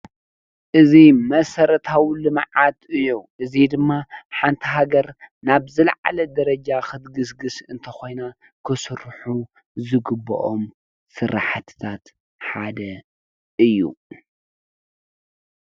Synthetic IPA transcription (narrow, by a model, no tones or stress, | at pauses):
ʔɨzimɐsɐɾɐt̪ʰawlɨmʕat̪ʔɨjːuʔɨzid̪ɨmːaħant̪ʰiɦaɡɐɾnabzɨlʕa̰lɐd̪ɐɾɐd͡ʒaxɨt̪ɡɨsɡɨsɨnt̪ʰɐxo̞jna | kʰɨsɨɾħu | zɨɡɨbːɐ̰ʔom | sɨɾaħat̪ʰɨ̥t̪ʰat̪ | ħad̪ɐ | ʔɨjːṵ